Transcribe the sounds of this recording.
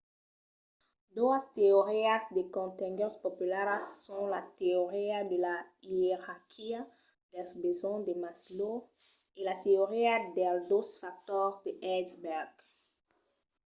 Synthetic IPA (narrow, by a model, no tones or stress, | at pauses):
d̪uast̪eoʁiasd̪ekɔ̃t̪ɛ̃ŋɡɛʁspɔpylaʁsɔ̃lat̪eoʁiad̪əlaieʁaʁkʰia | d̪̥ɛlsbezɔ̃d̪emaslo | elat̪eoʁiad̪ɛld̪osfak̚t̪ɔʁd̪əʔɛsbɛʁɡ